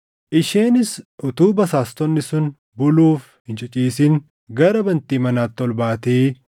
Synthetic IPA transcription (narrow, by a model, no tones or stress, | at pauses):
ʔɪʃeːnɪsʔʊt̪uːbɐsaːst̪ɔnːɪsʊn | bʊluːf | hɪnt͡ʃʼɪt͡ʃʼiːsɪŋ | ɡɐɾɐbɐnt̪iːmɐnaːt̪ːɔlbaːt̪eː